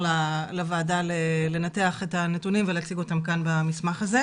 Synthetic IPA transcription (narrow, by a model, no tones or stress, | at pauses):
lalavaːdalele̞nateaχetane̞tunimveleat͡siɡo̞tamkanbamismaχaze